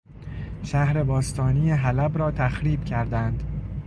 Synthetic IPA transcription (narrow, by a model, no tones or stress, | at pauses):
ʃæhɾe̞bɒːst̪ʰɒːniːjeɦælæbɾɒːt̪ʰæxɾiːbcʰæɾd̪ænd̪̥